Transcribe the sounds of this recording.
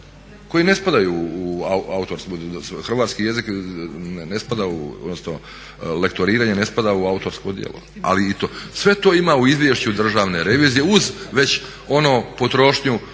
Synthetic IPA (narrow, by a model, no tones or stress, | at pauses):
ko̞jine̞spad̪ajuːauaut̪o̞ɾskusxr̩ʋaːt̪skije̞zik | nespad̪aṵo̰d̪nosno | lekt̪oɾiːɾaɲenespad̪auaut̪o̞ɾskod̪jḛlo̰a̰lit̪osʋe̞t̪oːimauizʋje̞ʃt͡ɕud̪r̩ʒaːʋne̞ɾe̞ʋiːzije̞uzʋe̞t͡ɕ | o̞noːpo̞t̪ɾo̞ʃɲu